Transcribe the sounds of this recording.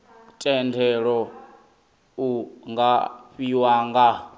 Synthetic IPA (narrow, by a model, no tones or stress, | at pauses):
tʼɛndʰʱɛɺɔ | uŋɡaɸiwaːŋɡa